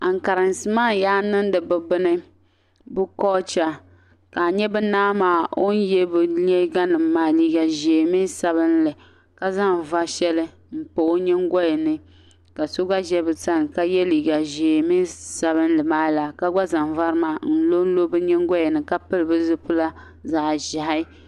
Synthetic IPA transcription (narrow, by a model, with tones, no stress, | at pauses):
a˨ŋ˨ka˨ɾɨ˨n˨sɨ˦maː˦jaː˦nɨ˦n˦dɨ˨bɨ˨bɨ˦nɨ˦ | bɨ˦kɔː˦t͡ʃa˦ | ka˨ɲɛ˦bɨ˦naː˦maː˦o˦n˦jɛ˦bɨ˨lɛ˦ɡa˦nɨ˨mː˦aː˦liː˦ɡa˨ʒe˨mi˦sa˨βɨ˦n˦lɨ˨ | ka˦za˦m˨va˦ʃɛ˦lɨ˦ | m̩˨po˨˦ɲɛ˦ŋɡɔ˦jɛ˨nɨ˦ | ka˨so˦ɡa˦ʒɛ˦bɨ˨ta˦n˨ka˦jɛ˦liː˨ɡa˨ʒe˨mi˦nsa˨bɨ˦n˦lɨ˨maː˦la˨ka˦ɡa˦za˨m˨va˦ɾɨ˦maː˦n̩˦lo˦n̩˦lo˦bɨ˦ɲɛ˦ŋ˦ɡɔ˦jɛ˨nɨ˨ka˦pɨ˦lɨ˨bɨ˦zɨ˦pʊ˦la˦ | zaː˨ʒa˨ɦa˦